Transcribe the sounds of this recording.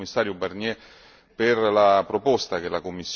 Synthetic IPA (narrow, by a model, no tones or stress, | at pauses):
mːisːaːɾjobarnjɛ | perlapɾopost̪akelakomːisː